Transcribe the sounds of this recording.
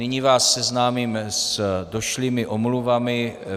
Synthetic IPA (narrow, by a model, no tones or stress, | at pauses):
ɪɲivaːsːɛznaːmiːmsdo̞ʃliːmɪʔomluvamɪ